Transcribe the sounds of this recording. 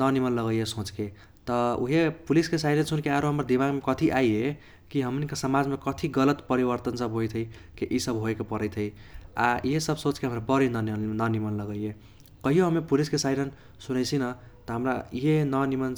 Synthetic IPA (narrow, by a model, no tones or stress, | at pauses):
nʌnimənlʌɣəjesõt͡ske | t̪ʌṵɦepuliskesajɾʌnsunkeaɾoɦʌmɾad̪imaɡmekʌt̪ʰiʔajɦe | kiɦʌmnikasəmad͡zmekʌt̪ʰiɡʌlət̪pʌɾibəɾt̪ənsʌbɦojt̪ʰʌi | keʔisʌbɦoekopʌɾəjt̪ʰʌja̰jesʌbsot͡skeɦəmɾabʌɾinnnʌnimənləɡəje | kʌɦijoɦʌmepuliskesajɾən | sunəjsʰinʌ | t̪ʌɦəmɾajɦenʌnimən